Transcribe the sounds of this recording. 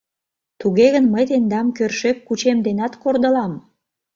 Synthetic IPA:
t̪uɣeɣənməjt̪end̪ɑmkørʃekːut͡ɕemd̪enɑt̪kord̪ə̆lɑm

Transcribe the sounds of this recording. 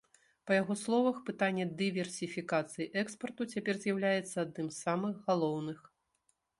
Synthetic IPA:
pɐjaɣɔslˠɔvɐxpɨt̪anʲːɛd̪ɨvʲɛrsʲifʲikat̪sɨjiʔɛkspɐrt̪ut͡sʲapʲɛrzʲjawlʲajɛt̪sːɐad̪̚nɨmssːamɨɣɣalˠɔwnɨx

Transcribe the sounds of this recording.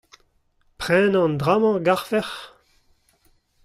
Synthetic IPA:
pʁɛ̃ːnɑ̃nd̪ʁamɑ̃ɡaʁvɛʁ

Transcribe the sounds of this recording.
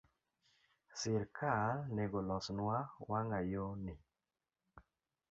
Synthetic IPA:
sɪɾkʰalnɛɡɔlɔsnwawaŋajonɪ

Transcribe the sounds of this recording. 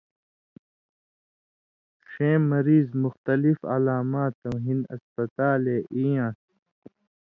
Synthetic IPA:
ʃẽːmːɐɾiːzmuxt̪ɐlifa̰laːmaːt̪ɐwɦinɐ̰spɐt̪aːleːʔijãːs

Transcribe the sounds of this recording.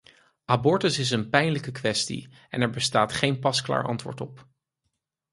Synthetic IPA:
ʔabɔɹtəsɪs̬ənpɛjnləkəkʋɛstḭ | ɛ̰nɛɹbəstaːtχejnpɑskla̰ːɹʔɑ̰ntʋʊ̰ːɹtɔp

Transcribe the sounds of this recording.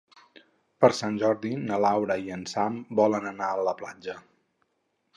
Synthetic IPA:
pəɾsanʲʒɔɾðinəlawɾəiənsambɔlənənaələplad͡ʒə

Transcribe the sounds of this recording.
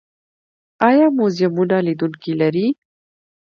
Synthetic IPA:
ɑjɑmozɪmunalid̪uŋkilaɾi

